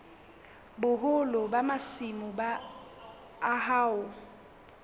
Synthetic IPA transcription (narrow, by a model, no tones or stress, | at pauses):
bʊɦʊlʊbamasimʊba | ɦaːʊ